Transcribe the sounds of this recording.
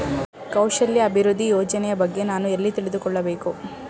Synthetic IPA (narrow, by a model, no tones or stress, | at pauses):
kɐwʃɐljɐɐbʱiɾud̪ʱːijɔːd͡ʒɐnɛjɐbɐɡːe̞naːnuelːit̪iɭid̪ukɔɭːɐbe̞ːku